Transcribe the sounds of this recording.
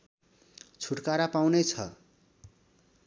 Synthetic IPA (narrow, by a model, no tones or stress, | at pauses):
t͡sʰuʈkaɾapaw̃net͡sʰʌ̰